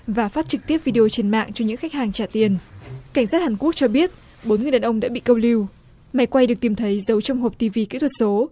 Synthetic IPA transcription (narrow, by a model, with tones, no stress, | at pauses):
vaː˨˩faː˦˥t̚t͡ɕɨ˨˩k̚t̪i˦˥əp̚vi˧ɗe˧o˧t͡ɕe˧nma̰ː˧˨ŋt͡ɕɔ˧ɲɨ̰˧˥ŋxa˦˥k̟̚haː˨˩ŋt͡ɕaː˧˩t̪i˧˩ənka˧˩jŋ̟saː˦˥t̚haː˨˩nku˦˥ək̚t͡ɕɔ˧ɓi˦˥ət̚ | ɓo˨˦nŋɨ˨˩ɗaː˨˩ʔə˧wŋ͡mɗa̰ː˧˥ɓḭ˧˨kə˧wli˧w | ma˨˦jkwa˧jɨ˨˩əkt̪i˨˩mt̪ʰə˨˦jzə˨˦wt͡ɕɔ˧wŋ͡mɦo˨˩p̚t̪i˧vi˧ki˧˥t̪ʰwə˨˩t̚so˨˦